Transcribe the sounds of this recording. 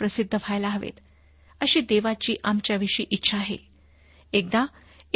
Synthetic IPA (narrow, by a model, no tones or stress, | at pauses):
pɾəsid̪ʱːəfajlaɦəʋḛt̪ | əɕiːd̪eʋat͡ɕiːʔamt͡ɕjaʋiʂiːʔitːɕʰaːɦḛ | ek̚d̪a